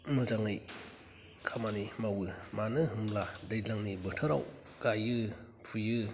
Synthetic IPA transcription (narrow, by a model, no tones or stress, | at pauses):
mɯzaŋɯj | kʰamanimawɯmanɯɦɯmladajlaŋnibɯtʰaɾa̰w | ɡ̥ajɯ | pʰujɯ